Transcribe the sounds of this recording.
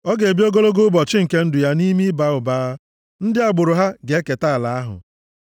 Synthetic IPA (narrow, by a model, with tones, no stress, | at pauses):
ɔ˦ɡe˨bi˦o˦ɡo˦lo˦ɡo˦bɔ˨t͡ʃɪ˦ŋ̩˨ke˦n̩˦dʊ˨ja˦ni˦mi˦ba˦ʊ˨baː˦ | n̩˦dɪ˦a˨ɡ͡bʊ˨ɾʊ˨ɦa˦ɡe˨˦e˦ke˨ta˦a˨la˨a˦ɦʊ̰˨